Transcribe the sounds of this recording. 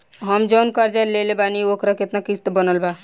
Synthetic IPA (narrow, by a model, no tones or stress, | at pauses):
ɦəmd͡ʒoːnkaɾd͡ʒalelebaniokɾaket̪nakist̪bənəlba